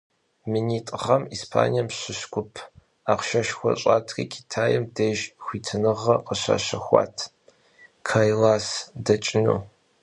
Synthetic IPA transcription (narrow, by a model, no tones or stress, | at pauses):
mɨniːtʼʁɐmiːspʰa̰ːnijɐmɕɪʃkʷʊpʰ | aqʷʃɐʃxʷɔ̰ɕʼaːtʰriːkʲʼʰi̥tʰaːjɛmdeːʒxʷiːtʰɨnɨʁɐqəɕa̰ːɕɐxʷa̰ːtʰ | kʰaːjlaːsdɐt͡ʃʼɪnṵː